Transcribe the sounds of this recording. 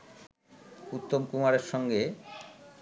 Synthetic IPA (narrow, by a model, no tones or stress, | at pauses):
ut̪ːomkumaɾeɾʃɔŋɡe